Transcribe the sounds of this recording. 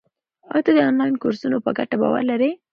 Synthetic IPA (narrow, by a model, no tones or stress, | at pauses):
ɑ̰jt̪ad̪əɑnlɑjnkoɾsunopəɡaʈaba̰wa̰ɾlaɾe